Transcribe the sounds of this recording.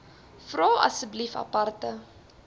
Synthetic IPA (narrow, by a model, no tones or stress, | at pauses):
frɔːɐ̰səblifɐ̰pɐrtə